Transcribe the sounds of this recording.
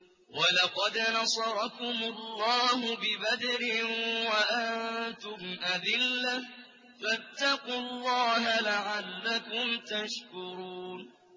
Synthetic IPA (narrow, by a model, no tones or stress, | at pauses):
walɑqɑd̪nɑsˤɑɾˤɑkʊmʊlːɑːɦʊbɪbad̪ɾɪwaʔannnt̪ʊmʔad̪ɪlːa | fat̪ːɑqʊlːɑːɦalaʕalːakʊmt̪aʃkʊɾuːn